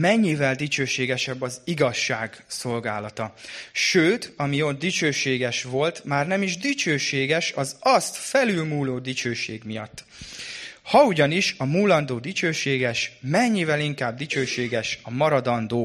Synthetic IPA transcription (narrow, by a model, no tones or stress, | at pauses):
mɛɲːivɛld̪it͡ʃøːʃeːɡɛʃɛbːɒziɡɒʃːaːɡso̞lɡaːlɒt̪ɒʃøːt̪ɒmiot̪̚d̪it͡ʃøːʃeːɡɛʃʋo̞lt̪maːrnɛmiʒd̪it͡ʃøːʃeːɡɛʃɒzɒst̪fɛlylmuːloːd̪it͡ʃøːʃḛːɡmijɒt̪ː | hɒuɟɒniʃɒmuːlːɒnd̪oːd̪it͡ʃøːʃeːɡɛʃmɛɲːivɛliŋkaːb̚d̪it͡ʃøːʃeːɡɛʃɒmɒɾɒd̪ɒnd̪oː